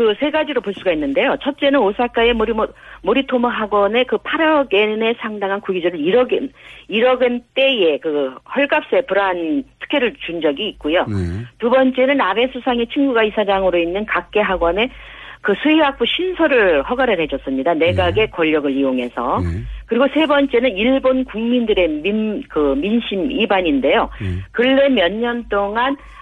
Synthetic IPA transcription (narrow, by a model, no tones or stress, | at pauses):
kɯsʰe̞ɡad͡ʑiɾopoɭs͈uɡainːɯnde̞jot͡ɕʰʌt̚t͡ɕ͈e̞nɯnosʰak͈aemoɾmoɾitʰomʌɦaɡwʌne̞kɯpʰaɾʌɡe̞ne̞sʰaŋdaŋɦankuɡid͡ʑʌɾɯniɾʌɡɯniɾʌɡɯnt͈e̞je̞kɯhʌɭɡap̚s͈e̞pɯɾantʰɯ̥kʰe̞ɾɯɭt͡ɕund͡ʑʌɡiːk̚k͈ojotubʌnt͡ɕ͈e̞nɯnabe̞sʰusʰaŋe̞t͡ɕʰiŋɡuɡaisʰad͡ʑaŋɯɾoinːɯnkak̚k͈e̞ɦaɡwʌne̞ | kɯsʰuiɦak̚p͈uɕʰinsʰʌɾɯɭhʌɡaɾɯɭɦe̞d͡ʑʌs͈ɯmɲidane̞ɡaɡe̞kwʌʎːʌɡɯɭijoŋɦe̞sʰʌkɯɾiɡosʰe̞bʌnt͡ɕ͈e̞nɯniɭbonkuŋmindɯɾe̞mikɯminɕʰimibaɲinde̞jokɯɭːe̞mjʌɲːʌnt͈oŋan